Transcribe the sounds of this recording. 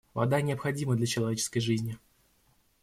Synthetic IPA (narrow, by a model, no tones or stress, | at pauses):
vɐ̰d̪anʲɪəpxɐdʲiməd̪lʲɐt͡ɕɪlˠɐvʲet͡ɕɪ̥skəjʐɨzʲnʲɪ